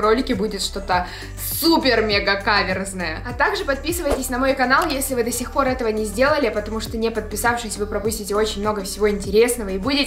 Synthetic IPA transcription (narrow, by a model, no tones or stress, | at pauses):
ro̞lʲɪkʲɪbudʲɪt̪ʂt̪o̞t̪ə | supʲɪrmʲeɡəkavʲɪrznəjə̰ɐt̪aɡʐɨpɐt̪̚pʲisɨvəjtʲɪsʲnɐmo̞jkɐnalˠjesʲlʲɪvɨd̪ɐsʲɪxpo̞ɾɛt̪əvənʲɪzʲdʲe̞lˠəlʲɪpət̪ɐmuʂt̪onʲɪpət̪̚pʲɪsafʂɨsʲvɨpɾɐpusʲtʲɪtʲɪo̞t͡ɕɪnʲmno̞ɡəfsʲɪvo̞ɪnʲtʲɪɾʲe̞sn̪əvəibudʲɪ